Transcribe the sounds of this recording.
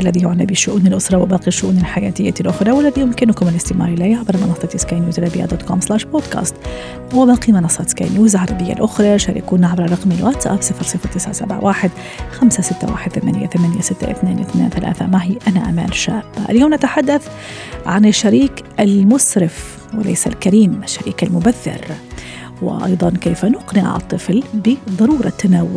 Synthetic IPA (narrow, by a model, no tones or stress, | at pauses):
ʔalːaðijʊʕnabɪʃːʊʔuːnɪlʔʊsɾˤɑwɪbɑːqiʃːʊʔuːnɪlħajaːt̪ɪjːalʔʊxɾˤɑwɪlːaðijʊmkɪnʊkʊmɪlɪst̪ɪmɑ̰ːɾˤɪlajːʕabɾˤɑmɑnɑsˤːɑt̪ɪskajnjuːzt̪ɾabɪja̰d̪oːt̪komslaːʃboːd̪ka̰ːst̪ | wɪbɑːqimɑnɑsˤːɑːt̪ska̰jnjuːzʕɑɾˤɑbɪjːa̰lʔʊxɾˤɑʃaɾḭkuːnaʕabɾɑɾˤɑqmɪlwat̪ʔa̰fsˤɨfɾsˤɨfat̪ɪsʕasabʕa̰wʔaːħɪd̪ | xamsasɪt̪ːa̰wa̰ːħɪd̪̚θamanɪjːa̰θamanɪjasɪt̪ːa̰ʔɪ̰θneːnɪθnḛːnθala̰ːθamaɦiːʔanaʔama̰ːlʃaːb̥ːaʔljoːmnat̪aħad̪ːaθ | ʕanɪʃːaɾiːkʔalmʊsɾɪf | wɪlḛjsa̰lkaɾiːmɪʃːaɾiːkalmʊbaθːɪ̰ɾ | wɪ̰ʔɑ̰jd̪ˤɑnkeːfanʊqnɪʕaʕt̪ˤːɨflbɪðˤɑɾuːɾˤɑ̰t̪ːanawːʊ